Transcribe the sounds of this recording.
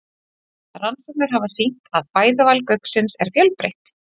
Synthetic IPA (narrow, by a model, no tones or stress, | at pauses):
ransɛk̚nɪɾ̥ɦavasiht̪aðpaːjðavalkœɥksɪnsɛ̰ɾ̥fjœlpɾḛjht̪